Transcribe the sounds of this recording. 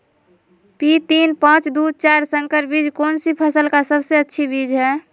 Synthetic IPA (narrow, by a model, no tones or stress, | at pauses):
pit̪iːnpãt͡ʃd̪ut͡ʃaːɾsə̃ŋkəɾbid͡ʒkoːnsipʰəsəlkasəbseətːʃʰibid͡ʒɦɛː